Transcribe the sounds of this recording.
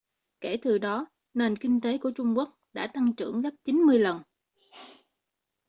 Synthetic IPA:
ke˧˩t̪ɨ˨˩ɗɔ˨˦ | ne˨˩nkï˧ŋ̟t̪e˨˦ku˧˩ət͡ɕʊ˧ŋ͡mku˦˥ək̚ɗa̰ː˧˥t̪a˧ŋt͡ɕɨ̰˧˩əŋzə˦˥p̚t͡ɕi˨˦nmɨ˧əjlə˨˩n

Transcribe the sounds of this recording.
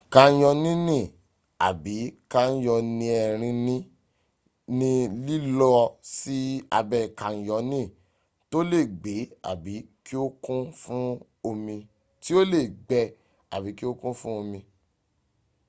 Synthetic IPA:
kã˧˦jɔ˧nĩ˦nĩ˦˨ | a˨bi˨˦ka˦jɔ˧nĩ˧ɛ˧˨ɾ̃ĩ˧nĩ˦ | nĩ˦li˦lɔ˦si˦a̰˧bɛ˧˨kã˨jɔ˨˦nĩ˦˨ | to˦le˦˨ɡ͡be˨˦a̰˨bi˨˦ki˦o˦kũ˦fũ˦ | o˧mĩ˧ | ti˦o˦le˦˨ɡ͡bɛ˧ | a̰˨bi˨˦ki˦o˦kũ˦fũ˦o˧mĩ˧

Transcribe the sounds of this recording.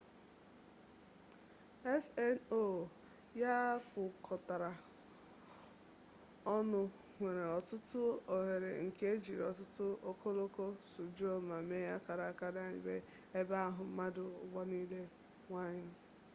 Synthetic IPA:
ɛ˦sɛ˦no˦˨ | ja˦kʊ˨kʰɔ˨ta˨ɾa˨ | ɔ˦nʊ˨ | ŋʷe˨ɾe˨ɔ˨tʊ˦tʊ˦o˨ɦe˨ɾḛ˨ŋ̩˨ke˦d͡ʒi˨ɾɔ˨tʊ˦tʊ˦o˦kʰo˦lo˦ko˦su˨d͡ʒo˦ma˨me˦ja˦ka˨ɾa˨˦ka˦da˦˨ɲɪ̰˨be˦ | e˦ba˦ɦʊ˨m̩˦ma˦dʊ˨ʊ̰˨ɡ͡bɔ˦ni˦le˦ | ŋʷa˦ɲɪ˦

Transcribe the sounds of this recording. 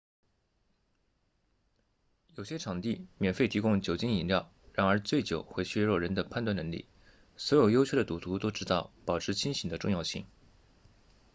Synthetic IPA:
jo˨˩ʊɕjɛ˥ʈ͡ʂʰɑ˨˩ŋt̪i˥˩mjɛ˨˩nfe˥˩ɪt̪ʰi˧˥kʊ˥ŋt͡ɕjo˨˩ʊt͡ɕi˥ŋi˨˩nljɑ˥˩ʊ | ɻa˧˥nə˞˧˥t͡swe˥˩ɪt͡ɕjo˨˩ʊxwe˥˩ɪɕɥɛ˥ɻo˥˩ɻə˧˥nd̪ə˧pʰa˥˧nt̪wa˥˩nɤ˧˥ŋlḭ˥˩ | swɔ˧˥jo˨˩ʊjo˥ʊt͡ɕʰo˥d̪ə˩t̪u˨˩t̪ʰu˧˥t̪o˥ʊʈ͡ʂɻ̩˥t̪ɑ˥˩ʊpɑ˨˩ʊʈ͡ʂʰɻ̩˥˧t͡ɕʰi˥nɕi˨˥ŋd̪ə˦ʈ͡ʂʊ˥˧ŋjɑ˥˧ʊɕḭ˥˩ŋ

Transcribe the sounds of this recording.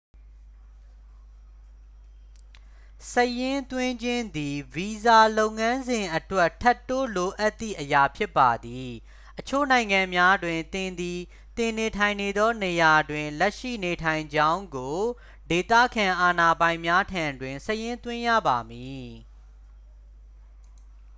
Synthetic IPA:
səjɪ̃˦t̪wɪ̃˦ɲd͡ʑɪ̃˦nd̪i˨vi˨za˨lo˦ʊ̃ŋã˦nzɪ̃˨ʔətwɛ˦tʰːɛ˦tːo˦lo˨ʔa˦ʔt̪ːḭ˦˨ʔəja˨pʰjɪ˦pːa˨d̪i˨ | ʔət͡ɕʰo̰˦˨nã˨ɪ̃ŋã˨mja˦dwɪ̃˨nt̪ɪ̃˨nd̪i˨ | t̪ɪ̃˨ne˨tʰã˨ɪ̃ne˨d̪ɔ˦ne˨ja˨dwɪ̃˨lɛ˦ʔʃḭ˦˨ne˨tʰã˨ɪ̃ɲd͡ʑã˦ʊ̃ŋɡo˨ | de˨t̪ä̰˦˨kʰã˨ʔa˨na˨bã˨ɪ̃mja˦tʰã˨ndwɪ̃˨nsəjɪ̃˦nt̪wɪ̃˦jä̰˦˨ba˨mi˨

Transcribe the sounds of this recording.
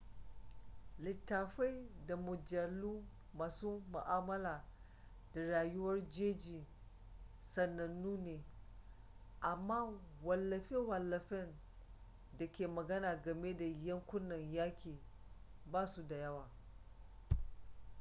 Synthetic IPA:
lɪ˨tːaː˨ɸa˦jda˨mʊ˨d͡ʒɐ˨luː˦ | maː˨suː˦mʊ˨ʔaː˦mɐ˦laː˨ | da˨ɽaː˨jʊ˦wɐ˦rd͡ʒeː˦d͡ʒiː˨ | sɐ˨nːɐ˨nːuː˦neː˨ | ʔa˨mːaː˦wɐ˨lːɐ˨ɸe˦wɐ˨lːɐ˨ɸɪ˦n | da˨kʲeː˨mɐ˨ɡɐ˦naː˨ɡɐ˨me˦da˨jɐ˦ŋkʷʊ˦nːɐ˨ɲjaː˦kʲeː˨ | baː˦su˦˨da˨jɐ˦waː˨

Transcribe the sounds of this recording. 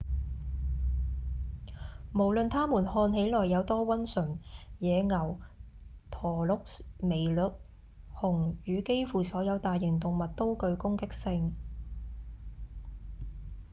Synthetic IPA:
mo˨˩wlɵ˨nt̪ʰaː˥muː˨˩nhɔː˧nɦe˨˥jlɔː˨˩jːɐ˨˧wt̪ɔː˥wɐ˥nsɵ˨˩njɛː˨˧ŋɐ˨˩w | t̪ʰɔː˨˩lʊ˨˥k̚me˨˩jlɵ˨˩k̚ | hʊ˨˩ŋjyː˨˧ke˥jfuː˨sɔː˨˥jɐ˨˧wt̪aː˨jːɪ˨˩ŋt̪ʊ˨ŋmɐ˨t̚t̪o˥wkɵ˧ɥkʊ˥ŋkɪ˥k̚sɪ˧ŋ

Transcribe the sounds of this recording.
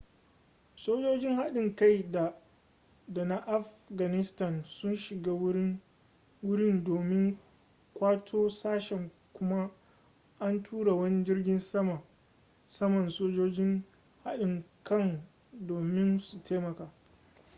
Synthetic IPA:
soː˦d͡ʒoː˦d͡ʒɪ˦ŋha˦ɗɪ˨ŋka˦˨jda˨ | da˨na˦ʔa˦f | ɡa˨nɪ˦stɐ˨nsʊ˦nʃɪ˨ɡaː˦w | wʊ˦ɽɪ˦ndoː˨mɪ˦ŋ | kʷaː˦tʰoː˦saː˦ʃɛ˨ŋ | kʷʊ˦ma˦ | ʔa˦ntʰuː˦ɽa˨wɐ˦ni˦d͡ʒɪ˦rɡʲɪ˦nsɐ˦ma˨ | sɐ˦mɔ˨nsoː˦d͡ʒoː˦d͡ʒɪ˦ŋ | ha˦ɗɪ˨ŋkɐ˦ŋ | doː˨mɪ˦nsu˨tʰeː˦mɐ˨kaː˨

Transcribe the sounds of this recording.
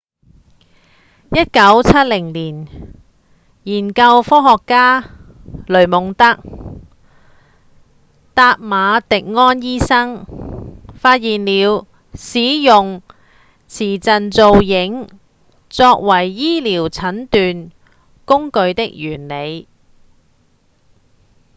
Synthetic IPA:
jɐ˥t̚kɐ˨˥wt͡sʰɐ˥t̚lɪ˨˩ŋliː˨˩n | jiː˨˩nkɐ˧wfɔː˥ɦɔː˨kːaː˥ | lɵ˨˩ɥmʊ˨ŋt̪ɐ˥k̚ | t̪aː˧t̚maː˨˧t̪ɪ˨k̚ŋɔː˥njiː˥sɐ˥ŋ | faː˧t̚jiː˨nliː˨˧w | siː˨˥jʊ˨ŋ | t͡sʰiː˨˩t͡sɐ˨nt͡so˨˧wjɪ˨˥ŋ | t͡sɔː˧k̚wɐ˨˩jːiː˥liː˨˩wt͡sʰɐ˨˥nt̪yː˨n | kʊ˥ŋkɵ˧ɥt̪ɪ˥k̚jyː˨˩nle˨˧j

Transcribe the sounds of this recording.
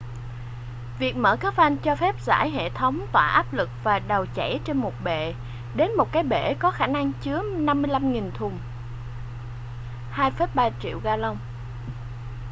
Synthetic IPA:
vi˨˩ək̚mə̰ː˧˩kaː˦˥fʔa˧nt͡ɕɔ˧fɛ˦˥p̚za̰ː˧˥jɦḛ˧˨t̪ʰə˨˦wŋ͡mt̪wa̰ː˧˩ʔaː˦˥p̚lɨ˨˩k̚vaː˨˩ɗa˨˩wt͡ɕa˧˩jt͡ɕe˧nmo˨˩t̚ɓḛ˧˨ | ɗe˨˦nmo˨˩t̚kaː˨˦jɓḛ˧˩kɔ˨˦xaː˧˩na˧ŋt͡ɕɨ˨˦əna˧mːɨ˧əjla˧mŋi˨˩nt̪ʰʊ˨˩ŋ͡m | haː˧jfəː˦˥t̚ɓaː˧t͡ɕḭ˧˨əwɣaː˧lə˧wŋ͡m

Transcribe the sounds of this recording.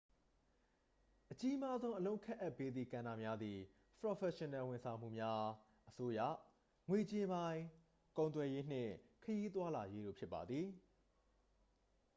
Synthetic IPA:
ʔət͡ɕi˦ma˦zõ˦ʊ̃ʔə˨lõ˦ʊ̃ŋkʰɛ̃˦ʔa˦˨pːe˦d̪ðḭ˨kã˨na̰˨mja˦d̪ði˨ | pɹɔ˨fɛ˨ʃɪ̃˨nɛ̃˨wɪ̃˨nsʰã˨ʊ̃m̥ṵ˦˨mja˦ | ʔəso˦jä̰˦˨ | ŋwe˨t͡ɕe˦bã˦ɪ̃ | kõ˨ʊ̃t̪wɛ˨je˦n̥ɪ̰̃˦˨kʰəji˦t̪wa˦la˨je˦ɾo̰˦˨pʰjɪ˦pːa̰˨d̪ði˨

